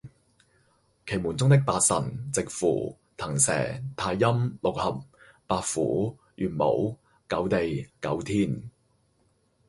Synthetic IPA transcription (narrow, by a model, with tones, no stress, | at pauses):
kʰe˨˩jmuː˨˩nt͡sʊ˥ŋt̪ɪ˥k̚paː˧t̚sɐ̰˨˩nt͡sɪ˨k̚fṵː˨˩ | t̪ʰɐ˨˩ŋsɛ̰ː˨˩t̪ʰaː˧jːɐ˥mlo˨˩k̚hɐ˨p̚ː | aː˨t̚fuː˨˥ | jʔyː˨˩nmo̰˨˥w | kɐ˨˥wt̪e˨jkɐ̰˨˥wt̪ʰiː˥n